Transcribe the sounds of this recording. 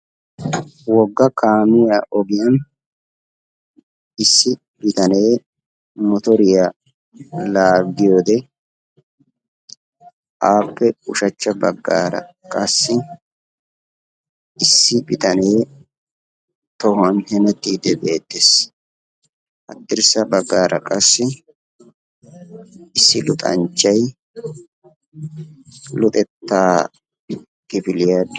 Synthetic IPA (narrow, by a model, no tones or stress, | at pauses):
wɔɡːɐkʰaːmɪjaʔɔɡɪjɐn | ɪsːɪ | bɪt̪ɐne̞ː | mɔt̪ɔɾɪja | laːɡːɪjoːd̪ɛ | ʔaːpːɛʊʃɐt͡ʃːɐbɐɡːaːɾɐ̰ | kʼɐsːɪ | ɪsːɪbɪt̪ɐneː | t̪ɔhɐnhɛmɛt̪ːiːd̪ɛbeːt̪ːes | ʔɐt̪ːɪɾsɐbɐɡːaːɾɐkʼɐsːɪ | ɪsːɪlʊt̪ʼɐ̰nt͡ʃʼːɐj | lʊt̪ʼɛt̪ːaː | kɪbɪlɪjad